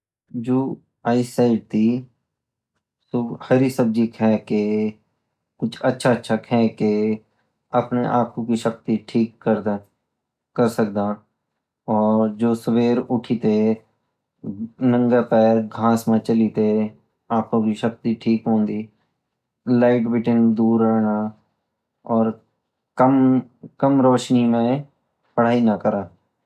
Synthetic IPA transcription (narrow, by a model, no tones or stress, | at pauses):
d͡ʒoː | aːisaːɪɖ̚t̪i | sohəɾisəb̚d͡ʒikɦɛːke | kʊt͡ʃʰətːʃʰaətːʃʰakʰɦɛ̃ke | ɐpneʔaːkʰõkiʃək̚t̪iʈʰiːkːəɾ | kəɾsək̚d̪a | ɔːɾɾd͡ʒoːsəʋeːɾʊʈʰit̪e | nə̃ŋɡapɛːɾɡʱãːsmẽt͡ʃəlit̪e | aːkʰõkiʃək̚t̪iʈʰiːkɦõːnd̪iː | laːɪʈbɪʈɪnd̪uːɾːəɦna | ɔːɾ | kəmkəmɾɔːʃnimẽ | pəɽ̤aːinakəɾaː